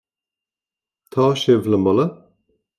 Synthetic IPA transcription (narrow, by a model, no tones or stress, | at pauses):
t̪ʰɑːʃɪvləmbɔlə